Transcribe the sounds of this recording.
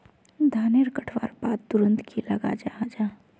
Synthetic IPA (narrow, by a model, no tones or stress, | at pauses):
d̪ʱaːneɾkəʈʰʋa̰ːɾbaːt̪̚d̪ʊɾə̃nt̪kʰilɐɡa̰d͡ʒad͡ʒaː